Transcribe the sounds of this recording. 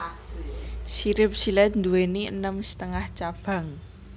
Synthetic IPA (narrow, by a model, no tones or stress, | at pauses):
ʃiɾɪp̚silɛt̪̚nd̪uweniənəmsə̥t̪əŋaht͡ʃab̥ä̤ŋ